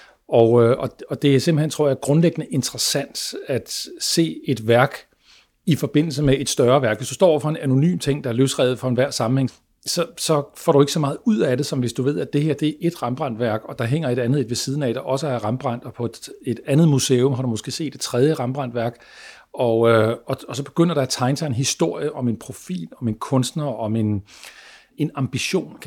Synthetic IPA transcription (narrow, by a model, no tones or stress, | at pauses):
ɒɒ̽ɒ̽d̥e̝æɐse̝mb̥l̩hent͡sʰʁo̰ɐ̰jɑæɐɡ̥ʁɔ̽nleɡ̥ənəʔe̝nd̥ʁəsæn̰d̥æd̥se̝̰ːe̝d̥ʋæɐɡ̥ | ifɒ̽b̥e̝n̰l̩səmee̝d̥sd̥ɶɐʋæɐɡ̥ʋesd̥usd̥ɒ̰ɒ̰ʊ̰ɐfɒ̽e̝næno̝ny̰ːmt͡sʰe̝ŋ̰d̥ɑ̈æɐløsʁɛ̰ːð̩ˠfɒ̽enʋæɐ̰sɑ̈mn̩heŋ | sɒ̽sɒ̽fɒ̰ːɾue̝ɡ̥əsɒ̽mɑ̈ːð̞̩ˠuð̰ˠæɾe̝sɒ̽mʋe̝sd̥uʋe̝ð̞̰ˠæd̥e̝heɐ̰d̥e̝æɐʔe̝d̥ʁɑ̈mb̥ʁɑn̰d̥ʋæɐ̰ɡ̥ɒ̽d̥ɑ̈ɦeŋ̰ɐe̝ɾænð̩ˠed̥ʋe̝siːðˠn̩æd̥ɑʔɒ̽səæʁɑ̈mb̥ʁɑn̰d̥ɒ̽pʰɒ̥̽e̝d̥ænð̩ˠmuseːɔmɦɑ̈ɾumosɡ̥e̝̰ːse̝̰ːd̥e̥t͡sʰʁɛð̞ˠjəʁɑ̈mb̥ʁɑ̈n̰d̥ʋæɐɡ̥ | ɒ̽øɒ̽ɒsɒ̽b̥e̝̥ɡ̥øn̰ɐɾ̥ɑ̈æt͡sʰɑ̈ɪnt͡sʰɑe̝nɦisd̥o̝ɐ̰jəʔɒ̽me̝npʰʁo̝fḭːlɒ̽me̝nkʰɔ̽nsd̥nɐɒ̽me̝n | e̝nɑ̈mb̥iɕo̝̰ːn